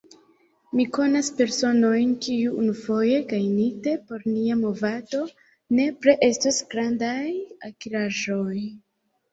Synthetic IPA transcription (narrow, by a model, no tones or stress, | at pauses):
miko̞naspe̞ɾso̞no̞jnkiuunufo̞je̞ɡajnite̞po̞ɾniamo̞vado̞ | ne̞pɾe̞ʔe̞stasɡɾandajakiɾaʒo̞j